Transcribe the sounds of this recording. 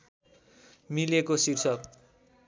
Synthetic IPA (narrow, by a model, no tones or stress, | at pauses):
milekosirsʌk